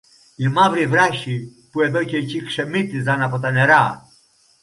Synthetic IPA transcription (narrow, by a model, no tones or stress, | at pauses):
imavɾivɾaʃipuɛðɔcɛcikʃɛmit̪ːizanapɔt̪anɛɾa